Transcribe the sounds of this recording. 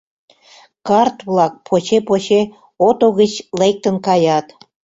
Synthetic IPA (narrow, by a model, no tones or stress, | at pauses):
kɑrt̪βlɑk̚pʰot͡ɕepot͡ɕe | ot̪oɣət͡ɕlek̚t̪ənkɑjɑt̪